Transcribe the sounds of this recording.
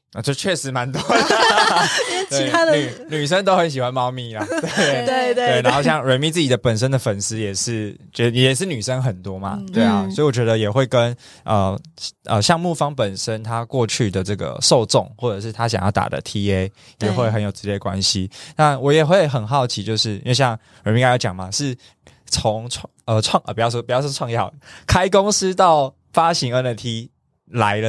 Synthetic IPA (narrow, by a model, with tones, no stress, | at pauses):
t͡ɕjo˥˧ʊt͡ɕʰɥɛ˥˩ʂɻ̩˧˥ma˧˦nt̪wɔ˥ | t̪we˥˩ɪa˥y˨˩ny˨˩ʂ̬ə˥nt̪o˥ʊxə˧˥nɕ̬i˨˩xwa˧˦nmɑ˥˧ʊmi˥˩la˨t̪we˥˧˨e˥˧t̪we˥˩ɪna˧˦xo˥˧ʊɕjɑ˥˩ŋɻə˧˥nmi˥˦t͡sɹ̩˥˩t͡ɕi˨˩d̪ə˦pə˨˩nʂə˦˥nd̪ə˨fə˨˩ns̩˥jɛ˨˩ʂɻ̩˥˩t͡ɕɛ˧˥˩jɛ˦˩jɛ˨˩ʂɻ̩˥˩ny˨˩ʂə˦˥ŋxə˨˩nt̪wɔ˥ma̰˨t̪we˥˩ɪa˨˩swɔ˧˥i˨wɔ˨˩t͡ɕɥɛ˧˥d̪ə˧jɛ˨˩xwe˥˩ɪkə˦n | ə˨˩ʔə̰˧ɕjɑ˥˧ŋmu˥˧˩fɑ˥ŋpə˨˩nʂə˦nt̪ʰa˦˥kwɔ˥˧t͡ɕʰy˥˩d̪ə˩ʈ͡ʂɤ˥˩ɡə̰˩ʂo˥˧ʊt͡sʊ˥˨ŋxwɔ˥˩ʈ͡ʂɤ˨˩ʂɻ̩˥˩t̪ʰa˦ɕ̬jɑ̰˨ŋjɑ˥˩ʊt̪a̰˨˩d̪ə̰˦t̪ʰi˥e˦˥ɪ | jɛ˨˩xwe˥˩ɪxə˧˦njo˨˩ʊt͡sɻ̩˧˥ljɛ˥˩ə˩kwa̰˦nɕi˦na˥˩wɔ˧˦jɛ˨˩xwe˥˩ɪxə˨˩nxɑ˥˩ʊt͡ɕʰi˧˥t͡ɕjo˥˧ʊʂɻ̩˥˩ḭ˥nwe˥˧ɕjɑ˥˩ŋ | wĩ˥ŋka˥jʊt͡ɕjɑ̰˨˩ŋma˦ʂɻ̩˥˩ | t͡sʰo˧˦ŋʰ | ə˧ʈ͡ʂʰwɑ˥˧ŋʔə̰˧˩pu˨˩jɑ˥˧ʊʂwɔ˥pu˨˩jɑ˥˩ʊʂɔ˥ʈ͡ʂʰɑ˥˧ŋjɑ˥˨˩ʊkʰa˥ɪk̬ʊ˥ŋs̩˥t̪ɑ˥˩ʊ | fa˦˥ɕi˧˥ŋə˧˥nə˧˩t̪ʰi˧˥ | la˨˧˦ɪlə˧